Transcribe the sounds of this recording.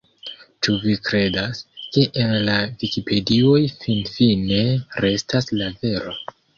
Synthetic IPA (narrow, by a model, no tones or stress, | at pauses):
t͡ʃuvikɾe̞daske̞ʔenlavikipʰe̞dio̞jfinfine̞ɾe̞staslave̞ɾo̞